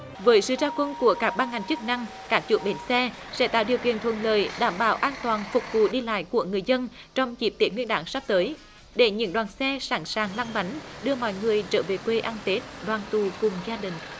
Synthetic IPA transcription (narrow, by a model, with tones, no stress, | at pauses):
vəː˨˦jsɨ̰˧˨zaː˧wkwə˧nku˧˩əkaː˦˥k̚ɓaː˧nŋa˨˩jŋ̟t͡ɕɨ˦˥k̚na˧ŋ | kaː˦˥k̚t͡ɕṵ˧˥ɓe˨˦nsɛ˧ | sɛ̰˧˥t̪a̰ː˧˩wɗi˨˩əwkḭ˧˨ənt̪ʰwə̰˧˨˩nlə̰ː˨jɗaː˧˩mɓaː˧˩wʔaː˧nt̪waː˨˩nfʊ˨˩k͡p̚vṵ˧˨ɗi˧la̰ː˧˨jku˧˩əŋɨ˨˩əjzə˧n | t͡ɕɔ˧wŋ͡mt͡ɕi˨˩˥p̚t̪i˨˦ŋwi˧nɗaː˨˩˦ŋsa˦˥p̚t̪əː˨˦j | ɗe˧˩ɲɨ̰˧˥ŋɗwaː˨˩nsɛ˧saː˧˩nsaː˨˩ŋla˧ŋɓa˨˦jŋɗɨ˧əmɔ̰˧˨jŋɨ˨˩əjt͡ɕəː˧˩ve˨˩kwe˧ʔaː˧nt̪e˦˥t̚ɗwaː˨˩nt̪u˨˩kʊ˨˩ŋ͡mzaː˧ɗï˨˩ŋ̟